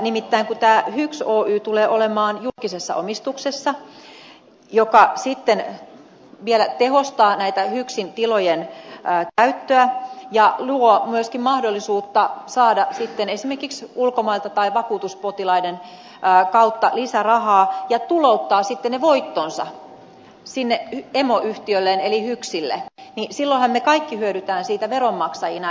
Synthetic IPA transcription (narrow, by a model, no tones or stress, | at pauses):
nimit̪ːæiŋkut̪æːhyksoːʔyːt̪uleːʔolemɑːnjulkisesːɑ̰ʔomist̪uksesːɑ | jokɑsit̪ːen | ʋielæt̪ehost̪ɑːnæit̪æhyksint̪ilojenːkæyt̪ːøæjɑluomyøskimmɑhdolːisuːt̪ːɑsɑːdɑsit̪ːenesimerkiksulkomɑilt̪ɑt̪ɑiʋɑkuːt̪uspot̪ilɑidenː | kɑut̪ːɑlisærɑhɑːjɑt̪ulout̪ːɑːsit̪ːeneʋoit̪ːonsɑ̰ | sinːeemoʔyht̪iølːeːnelihyksilːḛnisilːoihɑmmekɑikːihyøɾyt̪æːnsiːt̪æʋeromːɑksɑjinɑ